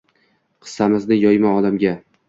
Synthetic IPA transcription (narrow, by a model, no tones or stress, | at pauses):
qʰɨ̥sːamɪznɪjɒjmaɒd̪amɡʲa